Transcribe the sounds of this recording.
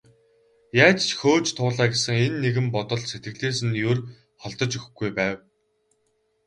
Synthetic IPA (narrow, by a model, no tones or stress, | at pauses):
jaːt͡ɕt͡ɕʰxoːt͡ɕt̪ʰʊːɮaːɡesɘ̆ŋenːeɣɘ̆mpɔt̪ɞ̆ɮset̪̚ɡɘ̆ɮeːsɘ̆njɵr | χɔɮt̪ɞ̆t͡ɕɵxɡujpæːw